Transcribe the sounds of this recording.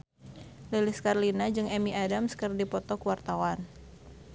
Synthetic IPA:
lilɪskaɾlinad͡ʒɨŋɛmiadamskɨrdipɔt̪ɔkuwart̪awan

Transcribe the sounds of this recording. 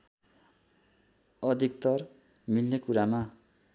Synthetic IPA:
ʌd̪ʱik̚t̪ʌr | milnekuɾama

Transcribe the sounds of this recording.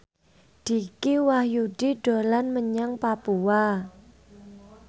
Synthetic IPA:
d̥i̤kiwahjud̥iɖ̥olanməɲaŋpapuwa

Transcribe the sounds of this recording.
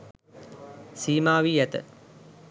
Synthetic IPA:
siːmaːʋiːjæt̪ə̰

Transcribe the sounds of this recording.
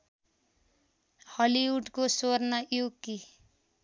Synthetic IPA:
hʌliwuɖkosornʌʔjokːi

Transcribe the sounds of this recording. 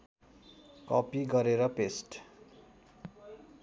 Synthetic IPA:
kʌpiɡʌɾeɾʌpesʈ

